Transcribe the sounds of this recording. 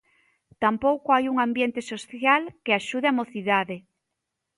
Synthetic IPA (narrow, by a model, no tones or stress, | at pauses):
t̪ampowkoajuŋambjent̪esoθjalkeaʃuð̞eamoθiðaðe